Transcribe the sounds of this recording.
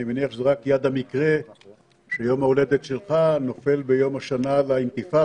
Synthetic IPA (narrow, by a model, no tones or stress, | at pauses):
imeniaχʃezeʁakjad̪amikʁe | ʃejo̞maole̞d̪et̪ʃelχano̞fe̞lbejo̞maʃanalaint̪ifa